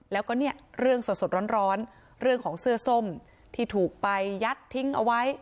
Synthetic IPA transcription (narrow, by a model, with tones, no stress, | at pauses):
lɛː˦˥wkɔː˥˩ni˥˩əɾɯ˥˩əŋso˨˩t̪so˨˩t̪̚ɾɔː˦˥nɾɔː˦˥n | ɾɯ˥˩əŋkʰɔː˩˦ŋsɯ˥˩əso˥˩m | t̪ʰiː˥˩t̪ʰuː˨˩k̚pa˧jːa˦˥t̪ʰːi˦˥ŋʔa̰˧wa˦˥j